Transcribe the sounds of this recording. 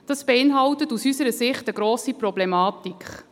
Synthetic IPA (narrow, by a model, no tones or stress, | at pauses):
d̥ɑsb̥eɪnɦɑwtətusysəɾəsɪχtəɡɾoːsiprɔblɛmɑːtikχ